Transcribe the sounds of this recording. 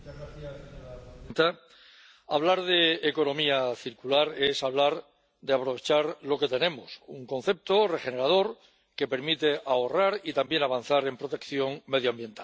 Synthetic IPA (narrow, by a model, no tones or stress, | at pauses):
aa | nt̪a | aβ̞laɾðe̞ːko̞nõ̞miaθiɾkulaɾe̞saβlaɾ | d̪e̞apɾo̞β̞e̞t͡ʃaɾlo̞ke̞t̪e̞nẽ̞mosuŋkõ̞n̟θe̞p̚t̪o̞re̞xe̞ne̞ɾað̞o̞ɾ | ke̞pe̞ɾmit̪e̞ʔao̞raɾit̪ambje̞naβ̞an̟θaɾe̞mpɾo̞t̪e̞kθjo̞ŋme̞ðjoambje̞nt̪a